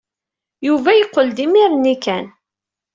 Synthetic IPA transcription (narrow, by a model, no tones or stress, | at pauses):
juvæjəqːəld̪imiɾnikæn